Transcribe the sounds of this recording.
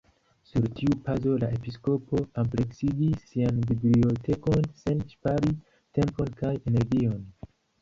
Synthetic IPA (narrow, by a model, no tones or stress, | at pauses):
suɾtiupazo̞lae̞pisko̞po̞ample̞ksiɡisːianbiblio̞te̞ko̞nse̞nʃpaɾi | te̞mpo̞nkaje̞ne̞ɾɡio̞n